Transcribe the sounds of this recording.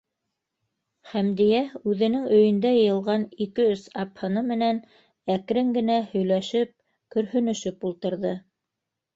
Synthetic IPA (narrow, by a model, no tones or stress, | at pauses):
χæmd̪ijæʉðɘ̆nɘŋɵ̆jɵ̆nd̪æjɤ̆jɤ̆lˠʁɑnikɘɵsɑphɤ̆nɤmɘ̆næn | ækɾɘŋɡɘ̆næhɵ̆jlæʃɘp̚ | kɵ̆ɾhɵ̆nɵ̆ʃɘpulˠt̪ɤ̆ɾðɤ